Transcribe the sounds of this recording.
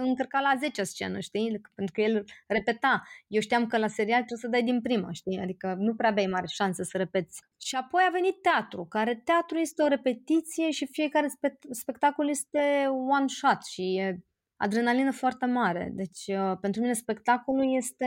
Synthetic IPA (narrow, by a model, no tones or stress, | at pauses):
ɨŋkərkalaze̞t͡ʃast͡ʃe̞̰nəʃt̪ipent̪ɾukəjelre̞pe̞t̪ajewʃt̪ijamkəlase̞ɾialt̪ɾebsəd̪ajd̪inpɾima̰ʃt̪ia̰d̪ikənupɾeaːbajmaɾeʃansesəɾe̞pe̞t̪sʲ | ʃiapo̞jave̞nit̪ːeat̪ɾukaɾe̞t̪eat̪ɾuje̞st̪eoɾe̞pe̞t̪it̪sije̞ʃifije̞kaɾe̞spespe̞kt̪akolje̞st̪e̞wanʃat̪ʃije | a̰d̪ɾenalinəfoart̪e̞maɾe̞̰d̪e̞t͡ʃʲəpe̞nt̪ɾumine̞spe̞kt̪akoluje̞st̪e